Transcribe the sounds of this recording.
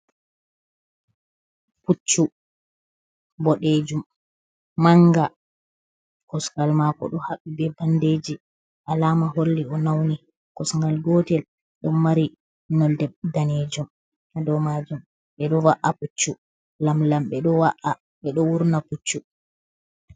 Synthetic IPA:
put͡ʃːu | bɔɗed͡ʒumː | aŋɡa | kɔskalmakɔ̰ɗɔhaɓːibɛbanded͡ʒi | ʔalaːmaɦolːiɔnawni | kɔsŋɡalɡɔtɛl | ɗɔmːaɾi | nɔldɛbdaned͡ʒum | adɔmad͡ʒum | ɓɛɗɔwaʔaput͡ʃːu | lamlamɓɛɗɔwaʔa | ɓɛɗɔwuɾnaput͡ʃːu

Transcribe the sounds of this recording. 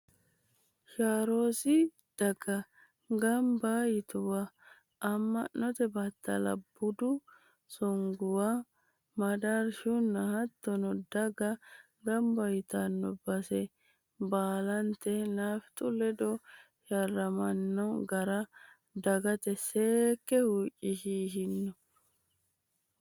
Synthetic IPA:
ʃaːɾoːsɪ | d̪̥ɐɡ̥ɐ | ɡɐmbajɪt̪ʊwa | ʔɐmːɐ̰nːɔt̪ɛbɐt̪ːɐ̰lɐ̰bːʊd̪ʊ | sɔŋɡʊwa | mɐd̪aɾʃʊnːɐhɐt̪ːɔnɔd̪ɐɡɐ | ɡɐmbɐjɪt̪ɐnːɔbɐsɛ | baːlɐnt̪ɛlaːft̪ʼʊlɛd̪ɔ | jɐrːɐmɐnːɔɡɐɾɐ | d̪ɐɡɐt̪ɛseːkːɛhuːt͡ʃʼɪʃiːɦɪnːɔ

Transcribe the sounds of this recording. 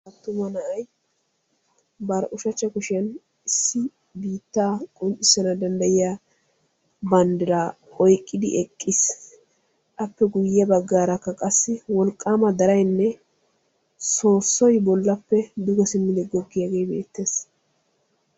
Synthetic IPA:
ɐt̪ːʊmɐnɐʔɐj | bɐɾʔʊʃɐt͡ʃːɐkʊʃɪjɐn | ɪsːɪ | biːt̪ːaːkʼʊnt͡ʃʼːɪsːɐnɐd̪ɐnd̪ɐjɪja | bɐnd̪ɪɾaː | ɔjkʼːɪd̪ɪ̰ʔɛkʼːɪs | ʔɐpːɛɡʊjːɐbɐɡːaːɾɐkːɐkʼɐsːɪwɔlkʼːaːmɐd̪ɐɾɐjnːɛ | so̞ːsːɔjbɔlːɐpːɛd̪ʊɡɔsɪmːɪd̪ɛɡɔɡːɪjɐɡe̞ːbeːt̪ːe̞ːs

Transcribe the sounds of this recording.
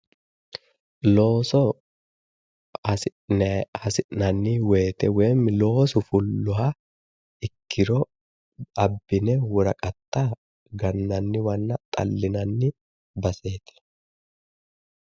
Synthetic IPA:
loːsɔ | hɐsɪʔnɐnːiːwe̞ːt̪ɛweːmːɪlo̞ːsɔfʊlːʊɦa | ɪkʰːɪɾɔ | ɐbːɪnɛwɔɾɐkʼɐt̪ːa | ɡɐnːɐnːɪwɐnːɐt̪ʼɐ̰lːɪnɐnːɪ | bɐse̞ːt̪ɐ̥

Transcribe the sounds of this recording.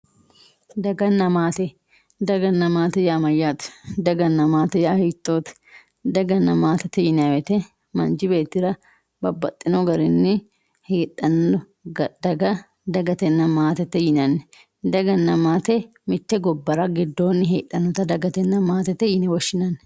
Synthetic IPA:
d̪ɐɡɐnːɐmaːt̪ɛ | d̪ɐɡɐnːɐmaːt̪ɛjaːmɐjat̪ɛ̥d̪ɐɡɐnːɐmaːt̪ɛjahiːt̪ʼːoːt̪ɛ̥ | d̪ɐɡɐnːɐmaːt̪ɛt̪ːɛjɪnawɛt̪ɛ | mɐnd͡ʒɪbe̞ːt̪ːɪɾɐ | bɐbːɐt̪ʼːɪnɔɡɐɾɪnːɪ | heːᶑɐn | d̪ɐɡɐ | d̪ɐɡɐt̪ɛnːɐmaːt̪ɛt̪ːɛjɪnɐnːɛ | d̪ɐɡɐnːɐmaːt̪ɛ | mɪt̪ːɛɡɔbːɐɾɐɡɪd̪ːoːnːɪɦeːᶑɐnɔt̪ɐd̪ɐɡɐt̪ɛnːɐmaːt̪ɛt̪ɛjɪnɛwɔʃːɪnɐnːɛ

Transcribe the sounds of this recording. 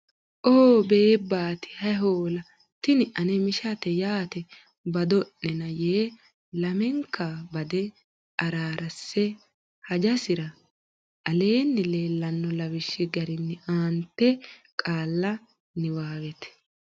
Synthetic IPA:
ʔoːbeːbaːt̪ɪ̥hɐɦoːlɐ | t̪ɪnɪʔɐnɛmɪʃɐt̪ɛjaːt̪ɛ | bɐd̪ɔʔːɛnɐjeː | lɐmɛŋkʰːabɐd̪ɛ | ʔɐɾaːɾɐsːɛ | hɐd͡ʒɐsɪɾɐ | ʔɐle̞ːnːɪle̞ːlːɐnːɔlɐwɪʃːɪɡɐɾɪnːɪʔaːnt̪ːɛkʼaːlːɐ | nɪwaːwɛt̪ɛ̥

